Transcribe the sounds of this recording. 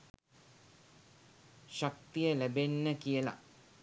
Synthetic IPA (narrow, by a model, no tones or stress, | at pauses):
ʃak̚t̪ijəlæbenːəkijəla̰